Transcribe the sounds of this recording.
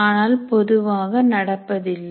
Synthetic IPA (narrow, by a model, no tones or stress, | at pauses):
aːnaːlpɔðɯʋaːɣɐnɐɽɐpːɐðɪlː